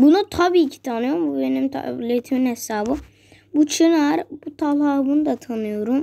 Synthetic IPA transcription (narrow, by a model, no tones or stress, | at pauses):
bunut̪ʰabiːcʰi̥t̪ʰanɯjo̞ɾumbubenimt̪ʰlet̪ʰminhesaːbɯ | but͡ʃʰɯnaɾb̥ut̪ʰalˠaːbɯnd̪at̪ʰanɯjo̞ɾum